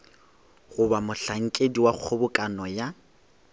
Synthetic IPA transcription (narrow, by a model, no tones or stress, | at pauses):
ɣʊbamʊɬaŋ̩kʼediwak͡xʰobʊkʼanɔja